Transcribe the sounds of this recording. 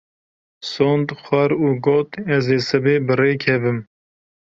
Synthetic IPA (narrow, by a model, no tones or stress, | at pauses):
soːnd̪xʷɛɾuːɡoːt̪ɛzeːsɨbeːbɨreːkʰɛvɨm